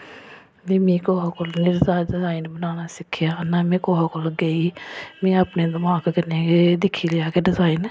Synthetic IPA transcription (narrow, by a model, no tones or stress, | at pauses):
bimĩkoːakolnɪɾɪzaːɾɖɪzaːɪnbənaːnasɪkʰːjaːnamẽːkoːɦakoləɡeimẽːəpned̪əmaːɡkəneked̪ɪkʰilejaːkeɖɪzaːɪn